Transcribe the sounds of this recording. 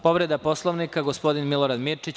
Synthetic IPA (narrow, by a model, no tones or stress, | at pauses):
po̞ʋɾed̪apo̞slˠoʋnikaɡospo̞d̪inmilˠoɾad̪miɾt͡ʃit͡ɕ